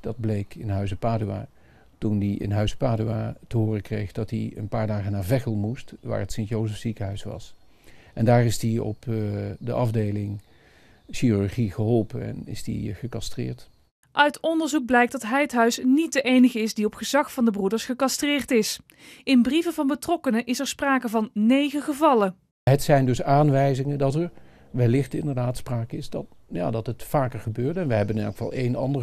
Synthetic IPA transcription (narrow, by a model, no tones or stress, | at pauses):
d̥ɑd̚blejkʰɪnɦœɥsəpaːdya̰ː | tundiɪ̰nɦœɥsəpaːdyaːtəɦʊːrəkrejχdɑtiə̰npaːɹdaːχənaːɹvɛχəlˠmustʋa̰ːɹətsɪntjowzəfsikəɦœɥsʋɑ̰s | ʔɛndaːɹɪsdiɔ̰pdəʔɑvdejlɪŋ | ʃiːryɹχiχəɦɔlˠpənɛ̰nɪ̰sdḭχəkɑstrɪ̰ːɹt | ʔœɥtɔndəɹzuɡ̚blɛjk̚dɑtɦɛjətɦœɥsnit̚dəʔejnəχəɪsdiɔpχəzɑxfɑndəbrudəɹsχəkɑstrɪːɹtɪs | ɪnbrivəvɑnbətrɔkənəʔɪsɛɹspraːkəvɑnːejχəχəvɑlə | ɦətsɛjndɵsaːnʋɛjzɪŋəndɑtɛɹ | ʋɛlɪχtɪndəɹdaːtspraːkəɪsdɑ | ja̰ːdɑtɦətfaːkəɹχəbøːɹtɛnʋəɦɛbənnɛ̰lˠkə̥fɑ̰lˠejnɑ̰ndə